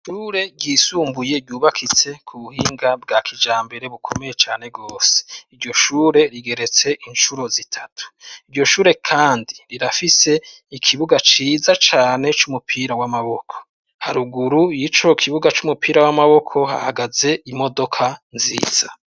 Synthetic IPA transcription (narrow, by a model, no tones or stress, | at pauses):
ʃuːɾe̞ɟiːsuːmbuje̞ɟuːβakʰit͡se̞kʰuβuhiːŋɡab̚ɡaːkʰid͡ʒaːmbe̞ɾe̞βukʰo̞me̞jet͡ʃaːne̞ɡo̞ːse̥iɾɟo̞ʃuːɾe̞ɾiɡe̞ɾe̞t͡se̞ʔinʃuɾo̞zitʰatʰu̥iɾɟo̞ʃuːɾe̞kʰaːndiɾiɾafise̞ | ikʰiβuɡat͡ʃiːzat͡ʃaːne̞t͡ʃumupʰiɾawamaβo̞kʰo̞̥ | haɾuɡuɾujit͡ʃo̞kʰiβuɡat͡ʃumupʰiːɾawamaβo̞kʰo̞ha̰haɡaze̞imo̞do̞kʰanzḭːz̥a